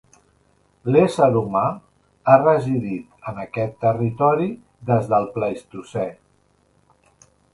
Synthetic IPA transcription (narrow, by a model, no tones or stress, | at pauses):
lesəðumaː | rəziðit̪ənəkɛt̪ːərit̪ɔɾi | ðəzðəlˠpləist̪usɛ